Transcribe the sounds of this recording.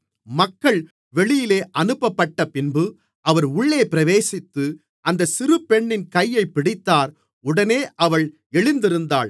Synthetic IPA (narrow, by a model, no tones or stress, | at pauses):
mɐkːɐɭ | ʋɛɭɪjɪleːʔɐnɯpːɐpːɐʈːɐpɪnbɯ | ʔɐʋɐɾʊɭːeːpɪɾɐʋeːsɪt̪ːɯ | ʔɐnd̪ɐsɪɾɯpɛɳːɪnkɐjːɐɪpːɪɽɪt̪ːaːɾ | ʊɽɐneːʔɐʋɐɭ | ɛɭɪnd̪ɪɾɯnd̪a̰ːɭ